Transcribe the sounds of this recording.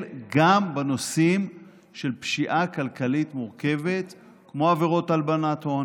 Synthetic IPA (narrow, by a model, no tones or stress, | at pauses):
ɡambeno̞sim | ʃe̞lpʃiʔakalkalitmuʁke̞ve̞t̪ | kmo̞aveʁo̞talbanaton